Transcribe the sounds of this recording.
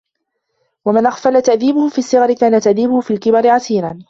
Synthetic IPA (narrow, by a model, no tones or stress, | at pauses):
wamɪnʔaxfalat̪aʔðiːbʊhʊfiːasːɪɣɑɾɪkaːnat̪aʔðiːbʊhʊfiːlkɪbɑɾɪʕasiːɾaːn